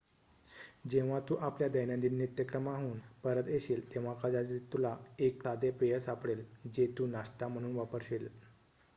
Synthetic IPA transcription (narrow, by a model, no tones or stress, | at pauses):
d͡ʑeʋ̤at̪uːʔapljad̪əjnjãnd̪iːnːit̪jəkɾəmaɦuːnpəɾət̪eɕiːlt̪ẽʋ̤akəd͡zad͡ʑit̪ulaeksad̪epejəsapɽeld͡ʑet̪uːnast̪am̤əɽ̃uːnʋapəɾɕeːl